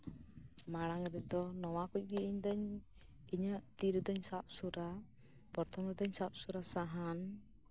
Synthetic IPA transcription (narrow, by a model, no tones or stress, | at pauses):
maɽ̃aŋɾɛd̪ɔnɔwakuc̚ˀɡiiɲd̪aɲ | iɲəʔt̪iɾd̪ɔɲsap̚suɾa | pɔɾt̪ʰɔmɾɛd̪ɔɲsap̚suɾasaɦan